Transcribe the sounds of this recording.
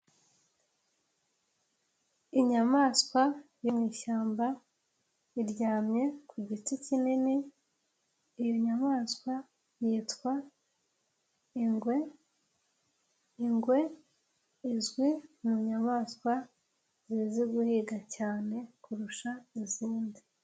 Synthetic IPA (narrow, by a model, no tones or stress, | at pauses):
iɲamaːskwajimŋiːʃaːmba | iɾɟaːmɲe̞kʰuɟiticinini | joɲamaːskwa | jiːtkwa | iŋɡwe̞ | iŋɡwe̞ | izɡwimuɲamaːskwa | ziziɡuhiɡacaːne̞kuɾuʃaiziːndi